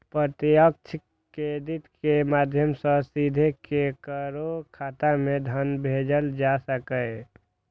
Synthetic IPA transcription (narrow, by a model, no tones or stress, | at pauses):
pət̪jək̚t͡ʃʰ | ked̪it̪kemad̪ʱjəmsə̃sid̪ʱekekəɾokʰat̪amed̪ʱənbʱed͡ʒəld͡ʒasəkə